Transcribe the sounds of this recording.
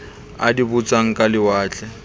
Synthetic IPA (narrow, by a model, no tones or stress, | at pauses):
a̰dibut͡sʼaŋ̩kʼalɪwaːt͡ɬʼɛ